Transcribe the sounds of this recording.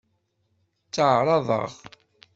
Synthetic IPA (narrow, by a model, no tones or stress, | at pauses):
t͡sːəʕɾˤɑðˤə̰ʁ